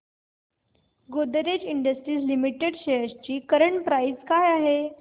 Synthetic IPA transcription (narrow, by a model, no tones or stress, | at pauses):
ɡod̪əɾed͡ʑiɳɖəsʈɾiːslimiʈeɽɕəjəst͡ɕiːkəɾəɳʈpɾaid͡zkajaɦe